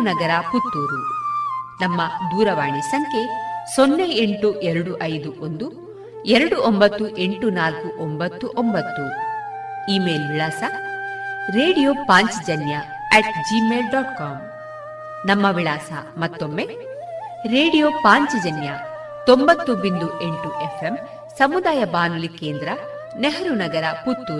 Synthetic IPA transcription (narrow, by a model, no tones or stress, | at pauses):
nɐɡɐɾɐput̪ːuːɾu | nɐmːɐd̪uːɾɐʋaːɳisɐŋkʰe̞sonːɐjeɳʈuʔeɾɐɽuʔɐjd̪uʔond̪u | eɾɐɽuʔombɐt̪ːuʔe̞ɳʈunaːlkuʔombɐt̪ːuʔombɐt̪ːu | iːmeːlʋiɭaːsɐ | ɾeːɽijoːpaːɲt͡ʃid͡ʒɐnjɐ | ɛʈd͡ʒimeːlɖɔːʈkaːm | nɐmːɐʋiɭaːsɐ̰mɐt̪ːo̞mːe | ɾeːɽijoːpaːɲt͡ʃid͡ʒɐnjɐ | t̪ombɐt̪ːubind̪ueɳʈuʔefʰem | sɐmud̪aːjɐbaːnulike̞ːnd̪ɾɐ | neɦɐɾunɐɡɐɾɐput̪ːuɾ